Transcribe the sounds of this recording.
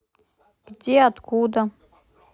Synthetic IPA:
kd̪ʲiat̪kuːd̪a

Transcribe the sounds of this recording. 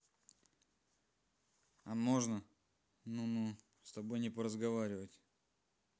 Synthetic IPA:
ɐmo̞ʐnə | nunu | st̪ɐbo̞jnʲɪpəɾəzɡɐvaɾʲɪvətʲ

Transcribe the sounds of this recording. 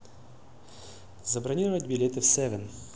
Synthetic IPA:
zɐbɾɐnʲiɾəvətʲbʲɪlʲet̪ɨfsɛvʲɛn

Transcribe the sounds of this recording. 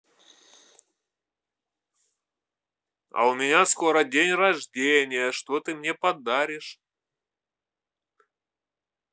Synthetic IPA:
ɐ̰ʊmʲɪnʲasko̞ɾədʲenʲrɐʐdʲenʲɪjəʂt̪ot̪ɨmnʲepɐd̪aɾʲɪʂ

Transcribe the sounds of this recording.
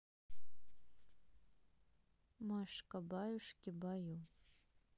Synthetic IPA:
maʂkʼabajuʂkʲɪbaju

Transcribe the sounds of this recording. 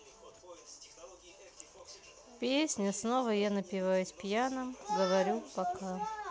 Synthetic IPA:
pʲesʲnʲəsnovəjanəpʲɪvajʊsʲpʲjanəmɡəvɐɾʲupɐka

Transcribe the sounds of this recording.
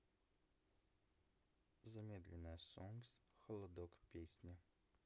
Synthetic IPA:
zɐmʲed̪lʲɛnːəjsoŋɡsxəlˠɐd̪okpʲesʲnʲɐ

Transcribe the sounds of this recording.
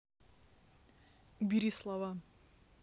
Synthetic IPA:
bʲiɾʲislˠava

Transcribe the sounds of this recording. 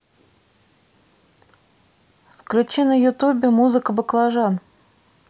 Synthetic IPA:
fklʲʉt͡ɕinəjʊt̪ubʲɪmuzɨkəbəklˠaʐan

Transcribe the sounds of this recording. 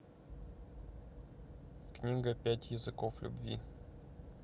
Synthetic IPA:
knʲiɡəpʲætʲjɪzɨkoflʲṵbvʲḭ

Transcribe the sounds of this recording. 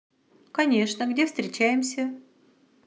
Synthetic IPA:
kɐnʲe̞ʂnəɡdʲefst̪ɾʲɪt͡ɕæjɪmsʲə

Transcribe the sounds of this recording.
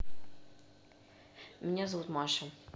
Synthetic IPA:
mʲinʲazɐvut̪mɑʃɛ

